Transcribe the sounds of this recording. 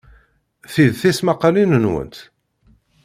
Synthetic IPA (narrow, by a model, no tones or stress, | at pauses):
θiðθismaqːɑlinənwə̰nt̪